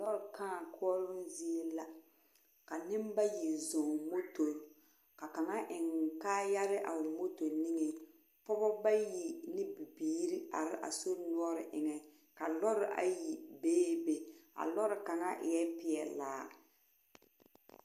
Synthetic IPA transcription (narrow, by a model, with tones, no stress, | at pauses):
lɔ˦ɾɪ˨kãː˦˨kʰu˦ɔ˦lʊ˦mzi˦e˦la˨ | ka˨nɪ˦mba˦ji˨zɔ˨ŋmo˦to˨ | ka˨ka˨ŋa˦ʔɪ˨ŋ˨kaː˦ja˦ɾɪ˦ʔa˨mo˦to˨nɪ˦ŋɛ˨ | pɔ˦bɔ˦ba˦ji˨nɪ˦bi˨biː˦ɾi˦a˨ɾɪ˦ʔa̰˨so˦nu˦ɔ˦ɾɪ˨ʔɪ˨ŋɛ˨ | ka˨lɔ˦ɾɪ˦ʔa̰˨ji˨beː˦be˨a̰˨lɔ˦ɾɪ˨ka˨ŋa˦ʔɪ˨jɛ˦pɪ˨ɛ˨la̰ː˦